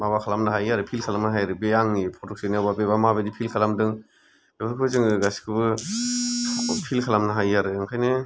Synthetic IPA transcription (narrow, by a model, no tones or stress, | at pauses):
maβakʰalamnaɦajaɾɯpʰilkʰalamnaɦajɾɯbeaŋnipʰɔtɔk̚sinababeβamabedipʰilkʰalamdɯŋ | bebɯɾkʰɯbɯzɯŋɯɡasi̥kʰɯbɯ | pʰilkʰalamnaɦajaɾɯɯŋkʰajnɯ